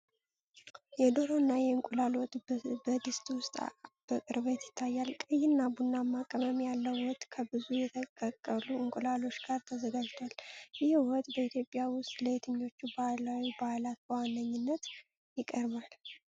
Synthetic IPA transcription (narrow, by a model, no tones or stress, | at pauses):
jɛd̪o̞ɾoɨnːajɛɨŋkʼulalot̪ʼbəd̪ɨst̪ʼwʊst̪ʼb̥əkʼɨɾβet̪jɪt̪ʰːajːalkʼɨjːɪnːabunːamːakʼəməmjalːəwwɔt̪ʼːkʰəbɨzujɛt̪ʰəkʼːəkʼːəluɨŋkʷʼulalo̞t͡ʃːɡaɾt̪ʰəzəɡad͡ʒt̪ʰwaljɪhwɔt̪ʼbəit̪jo̞pʼɪjawʊst̪ʼləet̪ʰɨɲːo̞t͡ʃːubalawibaalat̪̚bəwanːəɲːɪnːət̪ | jɪkʼəɾβal